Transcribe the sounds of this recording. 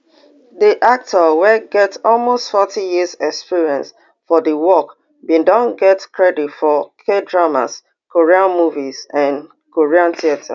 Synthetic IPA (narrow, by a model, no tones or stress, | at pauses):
diʔak̚tʰəwɛɡɛtsɔlmostfɔtʰijizɛkspiɹiɛ̃ns | fɔdəwɔk | bĩndãnɡɛtkʰɹɛditfɔkʰedɹama̰s | koɹiãnmuvizãn | koɹiãnθiatʰa̰